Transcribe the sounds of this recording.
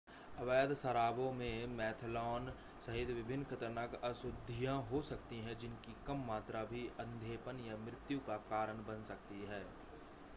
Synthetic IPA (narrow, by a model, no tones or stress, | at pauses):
əʋaːd̪səɾaːbõmẽmɛːt̪ʰlɔːn | sɐɦɪd̪ʋɪbʱɪnːkʰət̪əɾnakəsʊd̪ʱijãɦosɐkt̪iɦɛ̃d͡ʒɪnkikəmːaːt̪ɾabʱiə̃nd̪ʱeːpənjamɾɪt̪jukakaːɾəɳbənsəkt̪iɦɛː